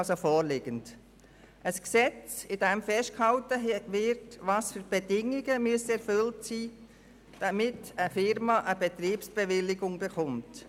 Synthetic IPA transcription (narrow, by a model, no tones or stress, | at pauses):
lsofɔːlɪɡ̥ənt | əsksɛt͡sɪd̥ɛmfɛʃtkhɑltəʋɪɾtʋɑːsfyɾb̥ɛdɪŋːɪɡəmyəsɛɾfʏltsiː | d̥ɑmɪtəfɪɾmɑʔəbɛt̪ɾiːpsb̥ɛʋɪlɪɡʊŋbɛχʊmt